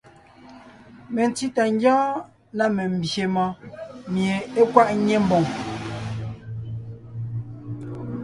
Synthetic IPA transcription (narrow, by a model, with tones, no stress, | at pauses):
me˨n˨ti˦ta˨ŋ˦ɡjɔ̃ː˦ | na˦me˨m̩˨bje˨mɔ˦mje˨e˦kwa˦ʔɲe˦m̩˦bo˨ŋ